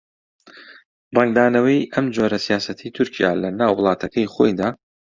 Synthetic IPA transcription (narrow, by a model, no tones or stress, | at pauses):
rɐŋɡ̚d̪aːnɐwɐjʔɐmd͡ʒoːɾɐsijaːsɐt̪ʰit̪ʰʊɾcʰija̰ːlɐnaːwːʊlˠɑːt̪ʰɐkʰɐjχo̞̰jd̪aː